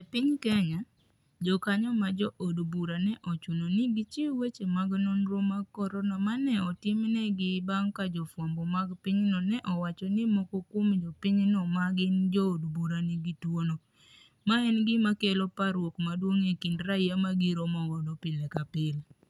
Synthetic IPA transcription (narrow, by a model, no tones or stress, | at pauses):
ɛpɪɲkɛɲa | d͡ʒɔkaɲɔmad͡ʒɔʔodbuɾanɛʔɔt͡ʃunonɪɡɪt͡ʃiwet͡ʃemaɡnonɾomaɡkɔɾɔnamanɛɔtɪmnɛɡɪbaŋkad͡ʒɔfwɔmbɔmaɡpɪɲnɔnɛʔɔwat͡ʃɔnɪmɔkokomd͡ʒɔpɪɲnɔmaɡɪnd͡ʒɔːdbuɾaniɡitwono | maɛnɡɪmakelopaɾwokmadwoŋekindɾaiamaɡiɾomɔɡɔdɔpɪlɛkapɪl